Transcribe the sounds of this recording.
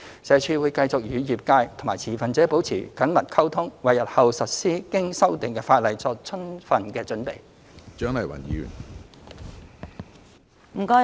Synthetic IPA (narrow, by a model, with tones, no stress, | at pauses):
sɛː˨˧t͡ʃʰyː˧wuː˨˧jkɐ˧jt͡sʊ˨k̚jyː˨˧jiː˨p̚kaː˧jt̪ʰʊ˨ŋmaː˨˩jt͡sʰiː˨˩fɐ˨nt͡sɛː˨˥po˨˥wt͡sʰiː˨˩kɐ˨˥nmɐ˨t̚kʰɐ˥wt̪ʰʊ˥ŋwɐ˨jɐ˨t̚hɐ˨wsɐ˨t̚siː˥kɪ˥ŋsɐ˥wt̪ɪ˨ŋkɛː˧faː˧t̚lɐ˨jt͡sɔː˧k̚t͡sʰɵ˥nfɐ˨nkɛː˧t͡sɵ˨˥npḛ˨˩j | t͡ʃœ˨˥ŋlɐ˨˩jwɐ̰˨˩njiː˨˥ɥy̰˨˩n | m̩˨˩kɔː˧